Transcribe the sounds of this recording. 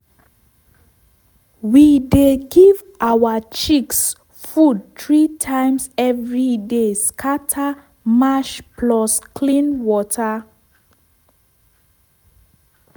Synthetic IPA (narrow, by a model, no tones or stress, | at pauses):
wideɡiv | ʔawat͡ʃiks | fud̚tɹitʰãɪ̃msɛvɹideskʰatʰa | maʃpʰlɔskʰlĩnwɔtʰa